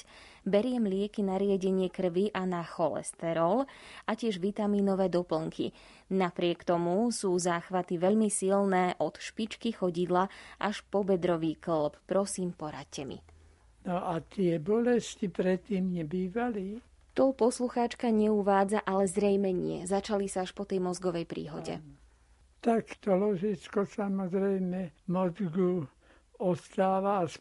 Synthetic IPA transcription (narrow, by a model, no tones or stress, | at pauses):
bɛɾɪɛmlɪɛkinaɾɪaɟɛɲɪɛkr̩ʋiʔanaxɔlɛ̰st̪ɛɾɔlacɪɛʒʋit̪amiːnɔʋɛːd̪ɔpl̩ŋkʰḭ | napɾɪɛkt̪ɔmusuːzaːxʋat̪iʋɛʎmisilnɛːʔɔt̪ʃpit͡ʃkixɔɟid̪laʔaʃpɔbɛd̪ɾɔʋiːklppɾɔsiːmpɔɾa̰ccːɛmḭ | nɔʔat̪ɪɛbɔlɛscipɾɛt̪ːiːmɲɛbiːʋali | t̪ɔpɔsluxaːt͡ʃkaɲɛuʋaːd͡zaʔalɛzɾɛjmɛɲɪɛ̰zat͡ʃalisaaʃpɔt̪ɛjmɔzɡɔʋɛjpɾḭːɦɔ̰ɟɛ̰ | t̪akt̪ɔlɔʒit͡skɔsamɔzɾɛjmɛmɔzɡu | ɔst̪aːʋas